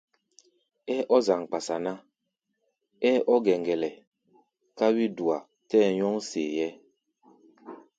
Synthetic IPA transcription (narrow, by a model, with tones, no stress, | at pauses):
ɛ˦ʔɔ˦za˨ŋ˨k͡pa˨sa˨na˦ | ɛ˦ʔɔ˦ɡɛ˨ŋɡɛ˨lɛ˨ | ka˦wi˦du˨a˨ | tɛː˦˨ɲɔ˦ŋsḛ˨jɛ˦